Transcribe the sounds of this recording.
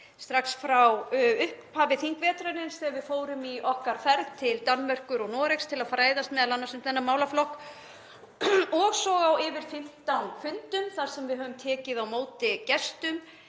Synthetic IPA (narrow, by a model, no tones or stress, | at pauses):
st̪ɾaksfɾawʏhppʰaːvɪθiŋkvɛːt̪ɾanɪnsθɛvɪðfoːwɾʏmiʔɔhkaɾ̥fɛɾðt̪ʰɪlt̪anːmœr̥kʏɾɔɣnɔːɾɛkst̪ʰɪlaðfɾaːjðast̪mɛðalanːasʏmt̪θɛnːamaːwlaflɔhk | ɔɣsɔɣawɪvɪɾ̥fɪm̥t̪awnfʏnt̪ʏmθaɾ̥sɛmvɪðɦœːvʏmt̪ʰɛːcɪðawmoːwt̪ɪcɛst̪ʏm